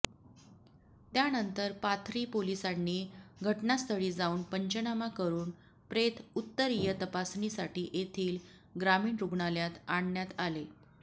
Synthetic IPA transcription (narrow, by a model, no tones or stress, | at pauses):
t̪janənt̪əɾpat̪ʰɾiːpolisanːiːɡʱəʈnast̪ʰəɽiːd͡zauːnpəɲt͡ɕənamakəɾuːn | pɾet̪ʰut̪ːəɾijət̪əpasnisaʈiːʔet̪ʰiːl | ɡɾamiːɳɾuɡɳaljat̪aɳːjat̪ale